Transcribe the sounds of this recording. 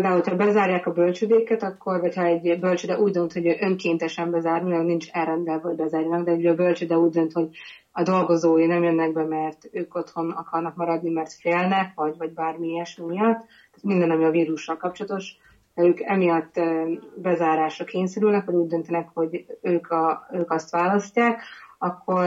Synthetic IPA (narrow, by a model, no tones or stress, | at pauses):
ld̪aːulocʰhɒbɛzaːɾjaːkɒbølt͡ʃød̪eːkɛt̪ɒkːo̞rvɒchɒɛɟbølt͡ʃød̪ɛʔuːɟd̪ø̞nt̪ho̞ɟʔøŋkeːnt̪ɛʃɛmbɛzaːrniɛnint͡ʃɛlrɛnd̪ɛlvɛhɒoɟbɛzaːrjɒnɒɡd̪ɛyɒbø̞lt͡ʃød̪ɛuːɟ̚d̪ønt̪ho̞ɟ | ɒd̪o̞lɡo̞zoːjinɛmjønːɛɡ̚bɛmɛrt̪øːko̞t̪ho̞nɒkɒrnɒkmɒɾɒd̪nimɛrt̪feːlnɛkʋɒɟvɒɟbaːrmiɛʃmimijɒt̪ːaːt̪mind̪ɛnɒmiɒviːɾuʃːɒlkɒp̚t͡ʃolɒt̪o̞ʃ | hɛøːkɛmijɒt̪ːbɛzaːɾaːʃɒkeːɲsɛɾylnɛkʋɒɟuːɟ̚d̪ønt̪ɛnɛkho̞ɟøːkɒøːkɒst̪ʋaːlɒscːaːkɒkʰːo̞